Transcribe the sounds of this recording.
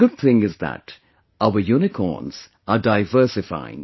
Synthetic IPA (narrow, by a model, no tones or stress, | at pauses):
ɡ̥ʊd̪̚θɪ̃ŋɪzðæ̰t | aʊəjuːnɪkʰɔ̰ːnz̥ | ədaɪvɜˑ˞sɪfa̰ɪɪ̰̃ŋ